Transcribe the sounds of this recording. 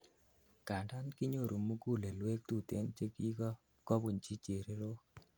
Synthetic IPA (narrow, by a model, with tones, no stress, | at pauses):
ka˨nda˦nkɪ˦ɲo˦˨ɾʔo˨mu˦ɡu˦˨le˨lwe˦k̚t̪u˦˨t̪ḛ˦nt͡ʃe˦ki˦kɔ˦ | kɔ˦bu˨nt͡ʃi˦t͡ʃe˨ɾe˦ɾo˦